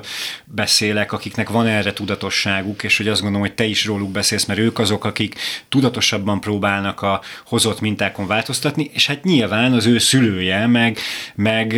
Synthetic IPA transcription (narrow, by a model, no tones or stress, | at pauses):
bɛseːlɛkɒkiknɛkvɒnɛrɛt̪ud̪ɒt̪o̞ʃːaːɡukeːʃho̞ɟɒzɡonolomhocʲt̪ɛiʃroːluɡbɛseːlsmɛɾøːkɒzo̞kɒkikt̪ud̪ɒt̪o̞ʃɒbːɒmproːbaːlnɒkɒho̞zo̞t̪mint̪aːko̞ɱvaːlt̪o̞st̪ɒt̪niʔeːʃhat̪ɲilvaːnɒzøːsyløːjɛmɛɡmɛɡ